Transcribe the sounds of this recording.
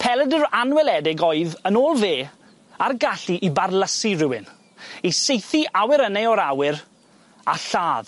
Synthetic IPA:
pʰɛlˠɛdəɾanwɛlˠɛdɪɡoɨðənoːlˠveː | arɡaɬiʔibarlˠəsirɪwɪn | isejθiʔawɪɾəneɔɾawɪɾ | aɬaːð

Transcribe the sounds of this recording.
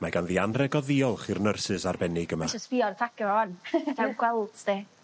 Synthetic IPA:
maɡanðiːanrɛɡɔðiːɔlˠχirnərsɨsarbɛnɪɡəmḁəsb̥iɔrtʰakɛaɔntʰɛwɡwɛlˠdde

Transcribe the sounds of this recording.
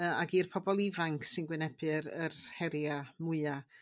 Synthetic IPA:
əaɡiːrpʰɔbɔlˠivaŋkʰsɨnɡwɪnɛbɨɾərhɛɾjamʊɨa

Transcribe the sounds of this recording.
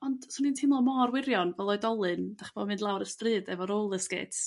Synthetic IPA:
ɔnd̥sʊnintʰɪmlˠɔmɔrwɪɾjɔnvɛlˠɔɨdɔlˠɨnd̥aχb̥ɔmɨndlˠawɾəstrɨːdɛvɔɾoːlˠəskɪ̰tʰ

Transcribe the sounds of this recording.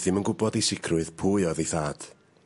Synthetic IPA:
θɪmənɡʊbɔdisɪkʰrʊɨð̥pʰuɨɔðejθaːd̥

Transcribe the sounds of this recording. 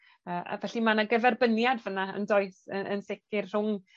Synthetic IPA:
əːʔa̰vɛɬimanaɡəvɛrbənjadvənaə̰ndoɨθəə̰nsɪkɪrr̥ʊŋ

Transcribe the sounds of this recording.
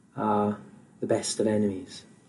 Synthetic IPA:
əðəbɛstəvɛnɪmiz̥

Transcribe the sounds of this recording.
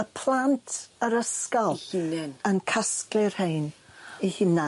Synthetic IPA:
əpʰl̥ˠantʰəɾəskɔlˠɪnaənkʰasklɨrhejnihɪna

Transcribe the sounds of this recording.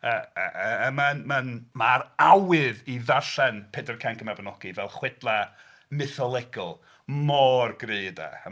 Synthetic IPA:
əəəmanmanmaɾawɨðiðaɬɛnpʰɛdərkʰaŋkʰəmabnɔɡ̥ivɛlˠχwɛd̥lˠa | mɪθɔlˠɛɡɔlˠ | mɔrɡreːda̰

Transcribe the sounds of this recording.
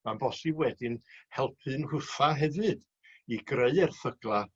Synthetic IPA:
manbɔsiwɛdɪnhɛlˠpʰɨnhʊθaɦɛvɨd̥ | iɡreɨɛrθəɡlˠa

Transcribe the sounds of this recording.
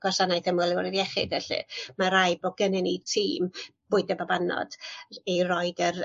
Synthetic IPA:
ɡ̥wɔsanajθəmɔlˠɪwɾɪdjɛχɪ̰dɛɬɨ̰maɾajbɔɡənɨnitʰiːmb̥ʊɨdɛbabanɔ̰d̥erɔjdər

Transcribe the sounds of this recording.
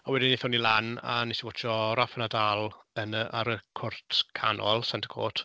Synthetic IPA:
ɔwɛdɪnːiθɔnilˠana̰nɛsiwɔt͡ʃʰɔɾafənadalˠ | ənəʔaɾəkʰʊrtʰkʰanʔɔlˠsantʰə̥kʰo̰ːtʰ

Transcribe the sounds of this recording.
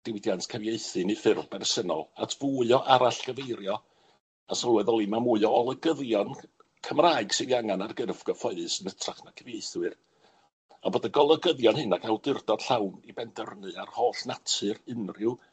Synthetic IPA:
d̥ɪwdjantkʰəvjeɨθɨnifɨrvbɛrsənɔ̰lˠatʰvuɨɔʔaɾaɬɡ̥əvejɾjɔ | asɔlˠwɛðɔlˠimamuɨɔɔlˠəɡəðjɔn | kʰəmraːɨɡ̥sɨðiaŋanarɡərvɡɔfɔɨðɨsənətʰraχnakʰəvjeɨθwɨr | aboːdaɡɔlˠəɡəðjɔnhɨnaɡʰalˠdɪrdɔd̥ɬawnibɛndərnɨarhoːɬnatʰɨrɨnrɪw

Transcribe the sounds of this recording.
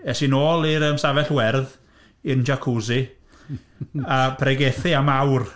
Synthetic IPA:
ɛsinoːlˠiɾəmsavɛɬwɛrð | ɪnd͡ʒakʰuzi | ab̥ʰrɛɡeθɨamawr

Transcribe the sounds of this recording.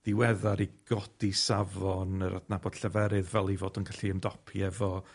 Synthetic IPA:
ð̥iwɛðaɾiɡ̥ɔd̥isavɔnəɾʔa̰dnabɔd̥ɬəvɛɾɨðvɛlˠivoːdənɡaɬiəmdɔpʰiɛvɔ

